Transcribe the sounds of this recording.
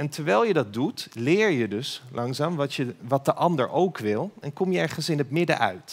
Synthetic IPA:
ɛntəɹʋɛjlˠjədɑt̚dutlɪːɹjədɵslʔɑŋzaːmʋɑtəʋɑt̚dəʔɑndəɹʔowkʋɪlˠɛnkɔmjəɛɹχənsɪnɦətmɪdə̰ʔœ̰ɥt

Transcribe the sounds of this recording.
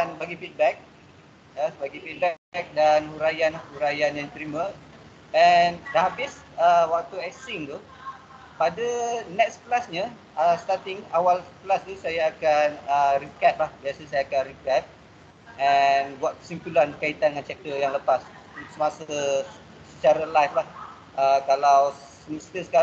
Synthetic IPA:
anbaɡifit̪̚bɛk̚ | abaɡifit̪̚bɛk̚danhuɾajanlahuɾajanjaŋt̪ɾimə̃ | ɛndaɦabis | əwak̚t̪uɛsɪŋt̪u | padanɛk̚spəlasɲa | əst̪at̪ɪŋawalpəlast̪usajaːkanərikɛt̪̚lahbiasəsajakanrikɛt̪̚ | ʔɛnwak̪u̥simpulankait̪andəŋant͡ʃɛk̚t̪əjaŋləpas | səmasə | sət͡ʃaɾalajflah | əkalaw | səməst̪əsə̥ka

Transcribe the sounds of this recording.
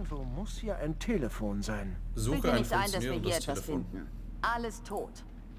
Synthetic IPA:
zoːmʊsjaːʔaɪntʰeːləfoːnzaɪnzuɪlnɪçtʔaɪnd̥asviːɐɦiːɐɛttv̥asfɪndn̩ | ʔaləstʰoːt

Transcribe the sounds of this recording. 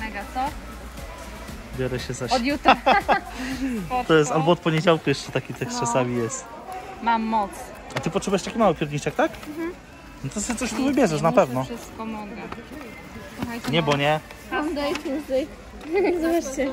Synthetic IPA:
mɛɡat̪sɔ | bʲjɔɾɛɕɛzaɔd̪jut̪ɾa | t̪ɔjɛst̪albɔɔt̪̚pɔɲed͡ʑawkujɛʂt͡ʂɛt̪akʲit̪ɛkst͡ʂasamʲijɛst̪ | mamːɔt̪s | at̪ɘpɔtʂɛbujɛʂt̪akʲimawɘpʲjɛɾɲit͡ʂɛkt̪ak̩ | nɔt̪ɔsɨt̪sɔɕt̪uvɘbʲjɛʐɛʂ̬napɛvnɔskɔmɔŋɡa | suxajt͡ɕɛɲɛbɔɲɛ | ɔnd̪ajt͡ɕmʲɛt̪ɛj | zɔbat͡ʂt͡ɕɛ

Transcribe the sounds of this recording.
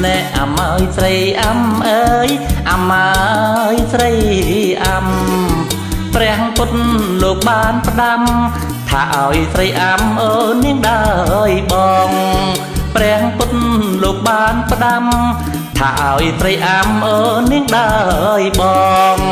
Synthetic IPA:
nɛʔʔamaəjsrəjʔamʔəːjʔamajsrəjʔam | prɛ̆əhŋpʊnloːk̚ɓaːnpə̆ɗam | t̪ʰa̰ːʔaɔjrəjʔamʔəːniəŋɗajɓɑːŋ | prɛ̆əhŋpʊnloːk̚ɓaːnpə̆ɗam | t̪ʰːʔaɔjsrəjʔamʔəːniəŋɗaəjɓɑːŋ

